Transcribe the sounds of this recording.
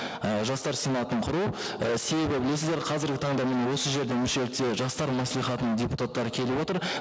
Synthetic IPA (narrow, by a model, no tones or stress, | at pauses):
əʒɑst̪ɑɾsejnɑt̪əɴqʰʊɾuəse̞be̞bɪbɪle̞sɪzd̪eɾqʰɑzɪɾɡʲɪt̪ʰɑɴd̪ɑmɪne̞wo̞səʒe̞ɾd̪emʏʃe̞lɪk̚t̪e̞ʒɑst̪ɑɾmɑslˠijχɑt̪ənədʲeput̪at̪ːɑɾəkʲʰe̞lɪbwo̞t̪əɾ